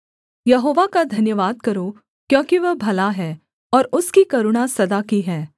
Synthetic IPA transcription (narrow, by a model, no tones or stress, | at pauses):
jɐɦoːʋakad̪ʱɐnjəʋaːd̪̚kɐɾoː | kjõːkiʋɐɦbʱɐlaɦɛː | ɔːɾʊskikɐɾʊɽ̃asɐd̪akiɦɛː